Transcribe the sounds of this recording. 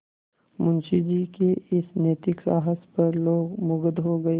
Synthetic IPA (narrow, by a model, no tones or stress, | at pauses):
mʊ̃nʃid͡ʒiːkeɪsneːt̪ɪksa̰ːɦəspɐɾloːɡmʊɡəd̪ɦoɡɐe